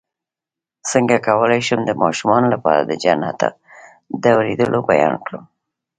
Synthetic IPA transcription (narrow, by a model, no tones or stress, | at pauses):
səŋɡakawəlajʃəmd̪əmɑʃumɑnolapɑɾad̪əd͡ʒanat̪a̰ | d̪əawɾed̪əlʔobajɑnkɽəm